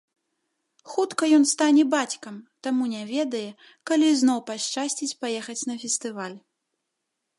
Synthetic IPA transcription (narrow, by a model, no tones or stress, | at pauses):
xut̪kɐjɔnst̪anʲɛbat͡sʲkɐmt̪amunʲɛvʲɛd̪ɐjɛ | kalʲiznɔwpaʂt͡ʂasʲt͡sʲit͡sʲpajɛxɐt͡sʲnɐfʲɛst̪ɨvalʲ